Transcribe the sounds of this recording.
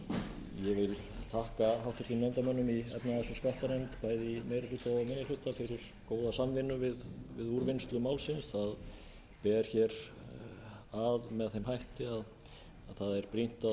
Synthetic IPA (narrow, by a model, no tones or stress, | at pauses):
jɛvɪl | θʰahkaɦawht̪vɪɾt̪inɛnt̪amœnːʏmiɛ̰pnaðɛsʏskaht̪aɾɛnt̪pajðɪimejɾɪlʏt̪awmɪnːɪlʏht̪ːaθɪɾɪɾ̥ | koːwðasamvɪnːʏvɪðvɪðuɾvɪnst̪lʏmaːwlsɪnsθað | pɛːɾ̥çɛɾ | aðmɛðθejmhajht̪ɪað | aðθaðɛɾ̥pɾin̥t̪a